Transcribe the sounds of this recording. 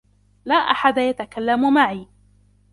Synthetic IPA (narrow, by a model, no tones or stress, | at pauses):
laːʔaħad̪ajat̪akalːamʊmaʕiː